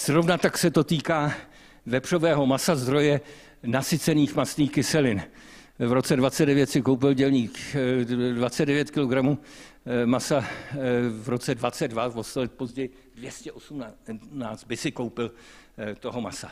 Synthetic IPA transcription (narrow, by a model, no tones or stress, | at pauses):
z̥ɾo̞vnat̪aksɛt̪o̞t̪iːkaː | vɛpr̝̥o̞vɛːɦo̞masazd̪ɾo̞jɛ | nasɪt͡sɛniːxmasniːxkɪsɛlɪn | vɾo̞t͡sɛdvat͡sɛddɛvjɛt̪sɪkowp̬ɪlɟɛlɲiːx | dvat͡sɛdɛvjɛt̪kɪlo̞ɡɾamu | masa | vɾo̞t͡sɛdvat͡sɛddvavost̪olɛt̪̚po̞zɟɛjɪ | dvjɛscɛʔosumnaːt͡st̪̚bɪsɪkowpɪlt̪oɦo̞masa̰